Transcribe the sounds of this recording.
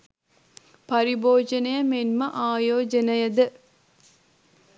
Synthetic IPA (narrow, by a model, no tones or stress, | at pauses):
pɐɾiboːd͡ʒənəjəmenməʔaːjoːd͡ʒənəjəd̪ə